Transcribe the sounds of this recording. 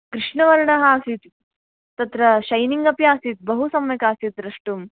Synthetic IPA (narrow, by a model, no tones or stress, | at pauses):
kɾɪʂɳɐʋɐɾɳɐɦaːsit̪ | t̪ːɐt̪ɾɐʃɐjniŋɡɐpjaːsit̪̚bɐɦusɐmjɐkaːsit̪ɾɐʂʈum